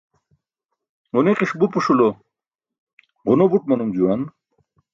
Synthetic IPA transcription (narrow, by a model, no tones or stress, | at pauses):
uneqiʂbupuʂulo | ʁunobuʈ̚mɐnumd͡ʑuwan